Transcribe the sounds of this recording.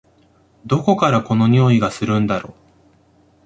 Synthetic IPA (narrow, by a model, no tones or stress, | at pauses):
d̪o̞ko̞kaɾako̞no̞ɲ̟oːiɡasɨɾɯ̟̃nd̪aɾo̞ː